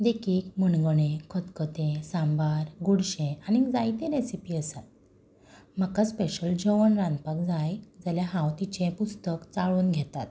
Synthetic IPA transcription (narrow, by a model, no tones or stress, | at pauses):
d̪ekiːkməɳɡəɽ̃ẽkʰət̪kət̪ẽsãmbaɾɡoɽɕẽanid͡zajt̪ẽɾesipiːəsat̪̚ | m̤əkaspeɕəld͡ʑəʋənɾãnpakd͡zajd͡zaljaɦãwt̪it͡ɕẽpust̪əkt͡saɭuːnɡʱɛt̪a̰t̪̚